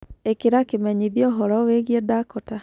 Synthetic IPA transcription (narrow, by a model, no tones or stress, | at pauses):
ekeɾakemɛɲiðiɔɦɔɾɔweɣiɛdakɔta